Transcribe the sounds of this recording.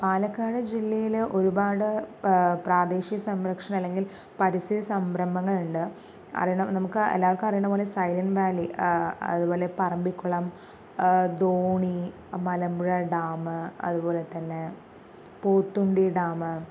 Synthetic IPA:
paːlɐkːaːɽɐd͡ʑilːɐjilʔo̞ɾubaːɽɨpraːd̪e̞ːɕijɐsɐmɾɐkʂɐɳɐlːe̞ŋɡil | pɐɾisid̪ɐsɐmbɾɐmbʱɐŋːɐɭuɳɖɨ | ɐ̰rijuɳɐmnɐmukːɨḛlːaːʋɐɭkːɨmɐrɐijuɳɐmpo̞ːlesɐjlɐnʋaːliɐ̰ðubo̞ːle̞pɐrɐmbikʲːuɭɐm | d̪oːɳi | mɐlɐmbuɻɐɖaːmɨɐ̰ðubo̞ːle̞t̪ːɐnːe | poːt̪ːuɳɖiɖaːmɨ

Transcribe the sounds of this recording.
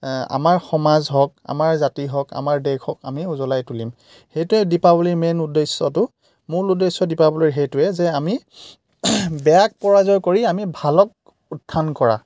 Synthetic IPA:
a̰maɹxɔmazɦɔk̚a̰maɹzatiɦɔka̰maɹdɛɡʰɔka̰miuzɔlajtulim | hejtʊɛdipabɔlimɛnudesːɔtʊ | mʊɹudesɔdipabɔliɹɦejtʊɛzɛami | bɛjak̚pɔɹazɔjkoɹiamibʱalɔk̚ | utʰːankɔɹa̰

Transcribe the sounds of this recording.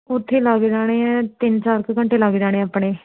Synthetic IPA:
ʊt̪ʰːeːləɡd͡ʒaːɽ̃eːɛ̃ːt̪ɪnt͡ʃaːɾkkəɳʈeːlaɡd͡ʒaːɽ̃eːaːpɽeː

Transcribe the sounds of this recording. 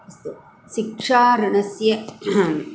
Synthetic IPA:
st̪u | sɪkʂaːɾɐnɐsjɐ

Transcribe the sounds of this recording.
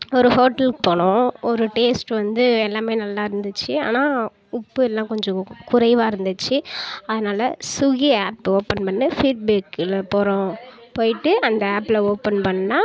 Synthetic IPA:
ɔɾɯhoːʈːɐlkpoːɳʊ̃ɔɾɯʈeːsʈʋɐnd̪ɯɛlːaːmeːnɐlːaːɪɾɯnd̪ɯt͡ʃːɯa̰ːnaː | ʊpːɯɛlːãːkɔɲd͡ʒɔ̃kʊɾɐɪʋaːɪɾɯnd̪ɯt͡ʃːɯɐðɯnaːlɐsʊɣiaːpːoːpɐnpɐɳːɯfiːʈ̚beːkːlɐpɔɾɔ̃ | poːjɪʈːɯʔɐnd̪ɐaːpːɪloːpɐnpɐɳːnaː

